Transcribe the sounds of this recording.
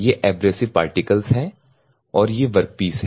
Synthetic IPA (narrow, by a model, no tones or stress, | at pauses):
jeʔɛːbɾeːsɪʋpa̰ːɾʈɪkəlzɦɛ̃ː | ɔːɾjeʋɐɾk̚piːsɦɛ